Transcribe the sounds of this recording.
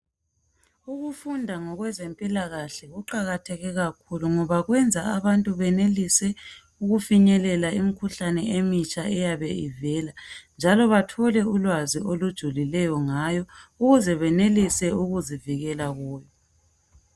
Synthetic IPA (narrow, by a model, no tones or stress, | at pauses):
uɣufundʱaŋɔɣwɛzempʼilaɣaɬɛɣuǃaɣatʰɛɣɛɣakʰuluŋɔβaɣwɛnd͡zʱaaβantʼuβɛnelisɛ | uɣufiɲɛlɛlaimikʰuɬanɛemit͡ʃʼaɛjaβɛivɛːland͡ʒʱalɔβatʰɔlɛulwaziolud̥ʒ̥ʱulilɛjɔŋajɔuɣuzɛβɛnelisɛuɣuziviɣɛlaɣuːjɔ